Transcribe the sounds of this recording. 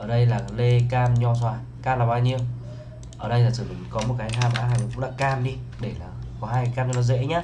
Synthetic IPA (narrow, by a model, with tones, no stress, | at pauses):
ʔəː˧˩ɗə˧jlaː˨˩le˧kaː˧mɲɔ˧swaː˧˩j | kaː˧mlaː˨˩ɓaː˧wɲi˧əw | ʔəː˧˩ɗə˧jlaː˨˩t̪ʰɨ˧˩˨i˨˩˦ŋkɔ˨˦mo˨˩t̚kaː˨˦jɦaː˧mɓa̰ː˧˥˦aː˨˩˨ɔ˨˩kʊ̰˧˥ŋ͡mɗa̰ː˧˨kaː˧mɗi˧ | ɗe˧˩laː˨˩ | kɔ˨˦ɦaː˧jka˨˦kaː˧mɲɔ˧ɔ˧zḛ˧˥ɲaː˧˦